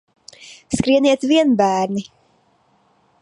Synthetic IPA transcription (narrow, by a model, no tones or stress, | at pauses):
skɾiɛniɛt̪viɛnbæːɾni